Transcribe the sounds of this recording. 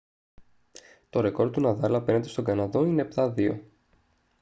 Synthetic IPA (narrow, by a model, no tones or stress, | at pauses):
t̪o̞ɾe̞ko̞ɾt̪t̪unɐðɐlɐpenet̪e̞st̪o̞ɡɐnɐðo̞ine̞ːpt̪ɐðio̞̰